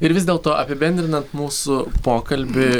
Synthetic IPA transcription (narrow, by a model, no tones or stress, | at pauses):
ɪɾʋʲɪzd̪ʲeːlˠt̪oːʔɐpʲɪbʲɛnʲd̪ʲɾʲɪnɐnt̪muːsʊpoːkɐlʲbʲɪ